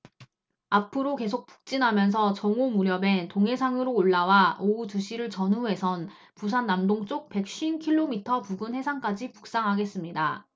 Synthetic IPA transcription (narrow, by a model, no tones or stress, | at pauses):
apʰɯɾoke̞s̬ʰok̚p͈u̥k̚t͡ɕ͈inɦamjʌns̬ʰʌt͡ɕʌŋomuɾjʌbe̞ntoŋɦe̞sʰaŋɯɾoːɭːawaoutuɕʰiɾɯɭt͡ɕʌnɦuɦe̞sʰʌn | pus̬ʰanːamdoŋt͡ɕ͈ok̚pe̞k̚ɕ͈iinkʰiɭːomitʰʌpuɡunhe̞sʰaŋk͈ad͡ʑipu̥k̚s͈aŋɦaɡe̞s͈ɯmɲida